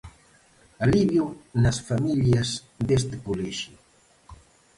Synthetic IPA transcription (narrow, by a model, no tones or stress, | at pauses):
aliβjunɐsfamiʎjɐs | ðest̪ekolɛʃʊ